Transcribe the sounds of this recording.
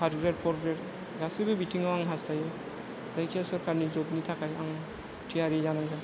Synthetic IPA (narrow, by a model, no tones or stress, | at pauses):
pʰaɾɡɾeɾpʰɔɾɡɾeɾ | ɡasibɯbitʰiŋaaŋɦastajɯ | zajkʰesɔɾkaɾnizɔbnitʰakajaŋ | tʰiaɾizanaŋɡa